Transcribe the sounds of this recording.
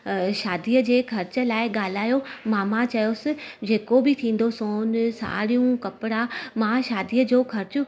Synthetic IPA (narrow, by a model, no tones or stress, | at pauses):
ʃaːd̪iːəd͡ʑeːkʰɐɾt͡ɕə̆laːɪɠaːl̤aːjomãːmãt͡ɕɐjosɪ̆d͡ʑeːkobɪt̪ʰĩːn̆d̪osoːnsa̰ːɽijũkɐpɪɽamãʃaːd̪iːəd͡ʑoːkʰɐɾt͡ɕʊ